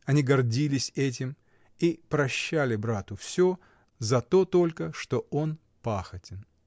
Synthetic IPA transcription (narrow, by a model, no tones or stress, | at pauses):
ɐnʲiɡɐrdʲilʲɪsʲɛt̬ʲɪm | ipɾɐɕːælʲɪbɾat̪ʊfsʲo | zɐt̪o̞t̪o̞lʲkəʂt̪o̞o̞n | paxətʲɪn